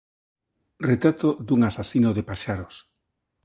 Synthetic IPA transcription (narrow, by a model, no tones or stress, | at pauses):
ret̪ɾat̪od̪uŋasasinoðepaʃaɾos